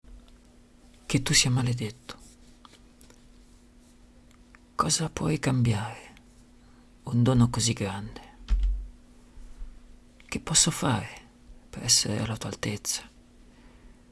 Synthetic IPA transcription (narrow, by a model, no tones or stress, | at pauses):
k̟et̪ːusːiamaled̪et̪ːʊ̥ | kʰɔːzapwɔjkambjaːɾe | und̪oːnokoziɡːɾand̪e | k̟ɪpːɔsːofaːɾe | peɾɛsːḛɾḛa̰lat̪ua̰lt̪et̪sːḁ